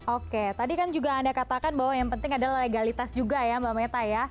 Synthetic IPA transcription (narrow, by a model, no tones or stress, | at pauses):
oket̪adikand͡ʒuɡaːndakat̪akanbaɦwajaŋpənt̪ɪŋadalahleɡalit̪asd͡ʒuɡajambamet̪aja